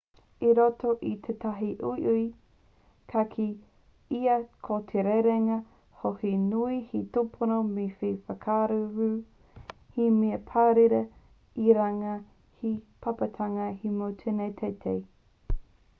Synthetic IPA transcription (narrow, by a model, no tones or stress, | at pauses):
iɾotoʔit̪ʰet̪aɦiʔuiʔuj | kʰakʰi | iɐkʰotʰeɾeɾeŋɐ | hohinuihitupʰonomefefɐkʰaɾuɾʉː | himiɐpʰaɾiɾɐ | iɾaŋɐ | hipʰapɐtʰaŋɐhimowtʰenejt̪ʰejt̪ʰej